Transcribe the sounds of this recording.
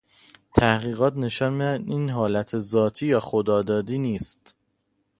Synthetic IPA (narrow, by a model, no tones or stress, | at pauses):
t̪ʰæhɣiːɣɒːt̪ne̞ʃɒːnmiæiːnɦɒːlæt̪ʰezɒːt̪ʰiːjɒːxod̪ɒːd̪ɒːd̪iːniːst̪